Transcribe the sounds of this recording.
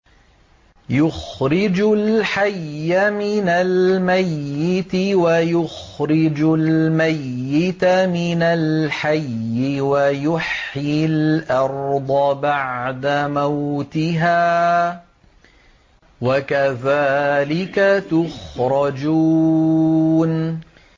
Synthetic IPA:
jʊxɾɪd͡ʒʊlħajːamɪnalmajːɪt̪ɪwajʊx | ɾɪd͡ʒʊlmajːɪt̪amɪnalħajːɪwajʊħɪlʔɑɾˤd̪ˤɑbaʕd̪amawt̪ɪɦaː | wakaðaːlɪkat̪ʊxɾˤɑd͡ʒuː | n

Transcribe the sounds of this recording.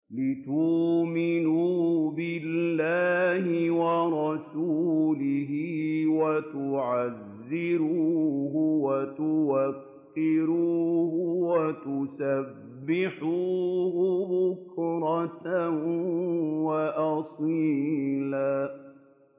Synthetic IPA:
lɪt̪umɪnuːbɪllːaːhɪwɑɾˤɑsuːlɪɦɪwat̪ʊʕazːɪɾuːɦʊwat̪ʊwakː | ɪɾuːhʊwat̪ʊsabbbːɪħuːbʊbʊkɾˤɑt̪ | waʔɑsˤiːlaː

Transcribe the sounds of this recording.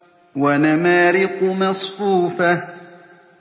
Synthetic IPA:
wanamaːɾɪqʊmɑsˤfuːfa

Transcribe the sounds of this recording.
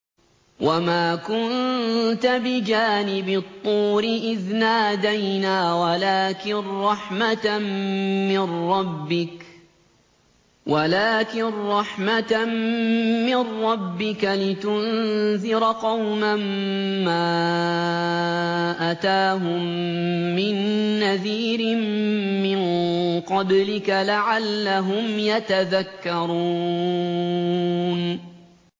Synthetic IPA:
wʔamaːkʊnt̪abɪd͡ʒaːnɪbɪt̪ˤːuːɾɪʔɪðnaːd̪ajnaːwalaːkɪnɾˤɑħmat̪ | mɪnːɑbːɪk | wʔalaːkɪnɾˤɑħmat̪ | mɪnːɑbːɪkalɪt̪ʊnzɪɾqɑwmamːaː | ʔat̪aːɦʊmː | ɪnːaðiːɾɪmmɪnqɑblɪkalaʕalːaɦʊmjat̪aðakːɑɾˤuː | n

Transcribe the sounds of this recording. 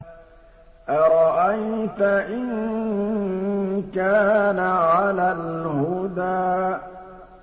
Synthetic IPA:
ʔaɾˤɑʔajt̪aʔɪn | kaːnaʕalalhʊd̪aː

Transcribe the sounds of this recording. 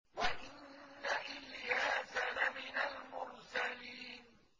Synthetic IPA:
waʔɪnːaʔɪljaːzanamɪnalmʊɾsaliːn

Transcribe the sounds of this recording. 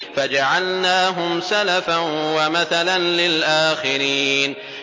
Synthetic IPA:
fad͡ʒaʕalnaːɦʊmsalafanwamaθalanlɪlʔaːxɪɾiːn

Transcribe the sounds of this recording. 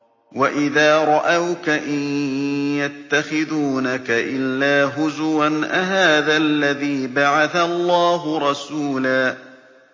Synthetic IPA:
waʔɪðaːɾˤɑʔawkaʔɪnjat̪ːaxɪðuːnakaʔɪlːaːɦʊzwanʔaɦaːðalːaðiːbaʕaθalˤːɑːɦʊɾˤɑsuːlaː

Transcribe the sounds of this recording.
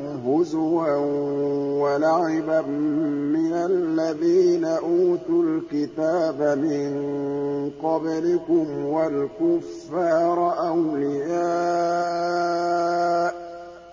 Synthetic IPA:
hʊzwa | walaʕɪbamɪnallːaðiːnaʔuːt̪ʊlkɪt̪aːbamɪn | qɑblɪkʊmwalkʊfːɑːɾˤʔawlɪjaː | ʔ

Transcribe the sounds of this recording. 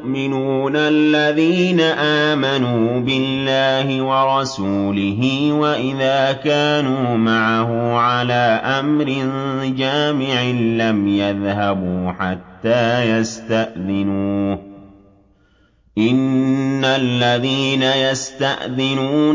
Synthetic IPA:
ʔmɪnuːnalːaðiːnaʔaːmanuːbɪlːaːhɪwɑɾˤɑsuːlɪɦɪwaʔɪðaːkaːnuːmaʕaɦʊʕalaːʔamɾɪnd͡ʒaːmɪʕɪnlamjaðhabuːħat̪ːaːjast̪aʔðɪnuː | ʔɪnːalːaðiːnajast̪aʔðɪnuː

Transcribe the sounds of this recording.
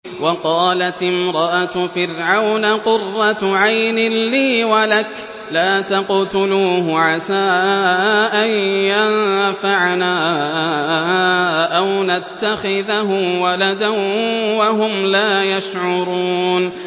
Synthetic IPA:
wɑqɑːlat̪ɪmɾˤɑʔat̪fɪɾʕawnaqʊrːɑt̪ʕajnɪliːwalak | laːt̪ɑqt̪ʊluːɦʊʕasaːʔʔʔanjanfaʕnaː | ʔawnat̪ːaxɪðaɦʊwalad̪anwaɦʊmlaːjaʃʕʊɾuːn

